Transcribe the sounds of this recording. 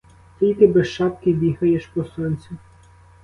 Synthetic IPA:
t̪ʲijt̪ɪbesʃɑpkɪbʲiɦɐjeʃpɔsɔnʲt͡sʲʊ

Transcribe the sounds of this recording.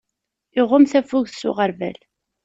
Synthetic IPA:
ɪʁʊmθæfʊʝsʊ̰ʁəɾvæ̰l

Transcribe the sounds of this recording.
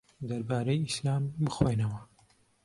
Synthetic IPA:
d̪ɐɾbaːɾɐjislaːmbɨxwenɐwɐ

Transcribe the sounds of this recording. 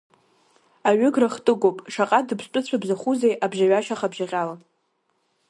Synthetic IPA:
aɥʏɡraχtʼɨɡʷʼopʼʂaqʼadɨpʰstʷʼʊt͡ɕʷʰabzaχuzejʔabʒaɥaʃaχabʒaʁʲʼala

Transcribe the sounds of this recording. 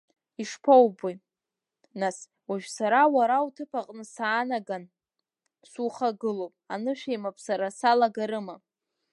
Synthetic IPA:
iʂpʰowbi | nas | waʒᶣʷsaɾawaɾawtʰɨpʰaqʼnɨsaːnaɡan | suχaɡɨlopʼanɨʃᶣejmapʼʰsaɾasalaɡaɾɨma

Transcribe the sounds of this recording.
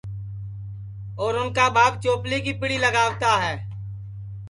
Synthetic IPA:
ɔːɾʊnkabaːɡ̚t͡ʃoːplikipɪɽiləɡaːʋt̪aɦɛː

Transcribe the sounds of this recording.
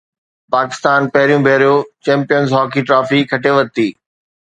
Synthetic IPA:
paːkɪst̪aːnpɐɦɪɾijũbʱɛːɾijot͡ɕɛ̃ːmpijənzɦɔːkiʈɾaːfikʰɐʈʰeʋɐt̪iː

